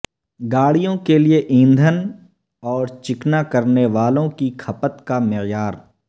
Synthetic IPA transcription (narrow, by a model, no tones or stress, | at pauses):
ɡaːɽijõkelieʔĩːnd̪ʱən | ɔːɾt͡ʃɪknakɐɾneʋaːlõkikʰɐpət̪kamɪɣjaːɾ